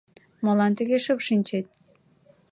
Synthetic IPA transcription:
molɑnt̪əɣeʃəpʃinʲt͡ɕet̪̚

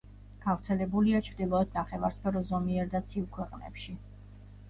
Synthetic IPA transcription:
ɡ̥avɾt̪sʰɛlɛbuliat͡ʃʰɾd̪ilˠɔɛd̪̥naχɛvaɾspʰɛɾɔzɔmiɛɾd̪at̪sʰivkʰwɛqʼnɛ̰pʃi

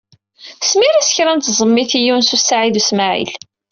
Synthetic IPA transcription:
smiɾæsə̥çɾænt̪zˤəmːiθijunsusːaʕiðusmaʕḭl

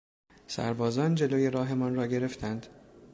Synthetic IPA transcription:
sæ̰ɾbɒːzɒːnd͡ʒe̞loːje̞ɾɒːɦe̞mɒːnɾɒːɟe̞ɾe̞ft̪ʰænd̪

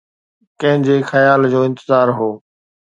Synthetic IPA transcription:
kɐ̃ɦɪ̃d͡ʑeːxɐjaːld͡ʑoːɪ̃nt̪ɪzaːɾɦoː

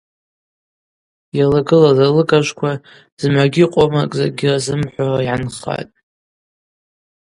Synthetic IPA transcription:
jalaɡɨlazalɨkʼaʒʷkʷʰa | z̥mʕaɡʲɪqʷʼomakʼza̰ɡʲɪrazɨmħʷarajʕanχa̰tʼ

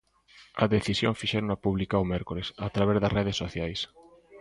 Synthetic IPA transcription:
ɐðeθisjo̰ŋfiʃɛɾonapuβlikaomɛɾkoɾesat̪ɾaβezðɐsreð̞esːoθjajs

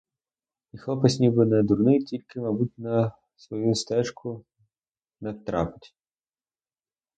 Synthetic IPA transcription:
ixlˠɔpɐsʲnʲibɪnɛd̪urnɪjtʲilʲkɪmɐbutʲnɐ | sʋɔjust̪ɛʃkʰʊ | nɛwt̪ɾɑpɪ̥tʲ

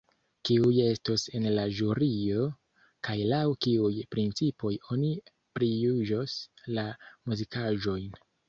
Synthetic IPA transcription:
kiuje̞stose̞nlaʒuɾio̞ | kajlawkiujpɾint͡sipo̞jo̞ni | pɾijuʒoslamuzikʰaʒo̞jn

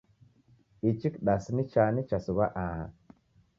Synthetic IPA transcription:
it͡ʃikɗasnit͡ʃanit͡ʃasuwaʔaha̰

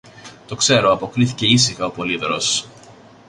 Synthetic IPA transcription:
t̪o̞kse̞ɾo̞ɐpo̞kɾiθice̞isixɐo̞po̞liðɾo̞s

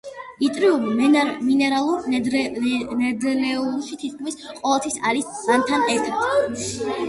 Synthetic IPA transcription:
it̪ʼɾiumiminɛɾalˠuɾ | nɛd̪ɛlɛunʃit̪ʰit̪̚ʰkʰmisqʼɔvɛlˠt̪ʰwisaɾismant̪ʰanɛɾt̪ʰad̪̥

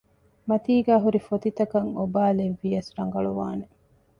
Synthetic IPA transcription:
mɐt̪iːɡæːɦuɾifot̪it̪ɐkɐŋobaːleʋːijɐsɾɐŋ̆ɡɐɭuʋa̰ːne

